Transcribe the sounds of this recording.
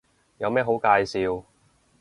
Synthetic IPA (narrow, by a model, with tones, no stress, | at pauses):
jɐ˨˧wmɛː˥ɦo˨˥wkaː˧jsiː˧w